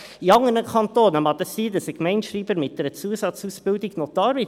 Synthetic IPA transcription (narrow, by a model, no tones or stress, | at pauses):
iɑŋənəkʰɑntoːnəmɑt̪əsiːdəsəkmɛɪnʃɾiːbəɾmɪt̚d̥ɛɾət͡suːəsɑt͡suːsb̥ɪldɪɡnot̪ɑːɾbɪ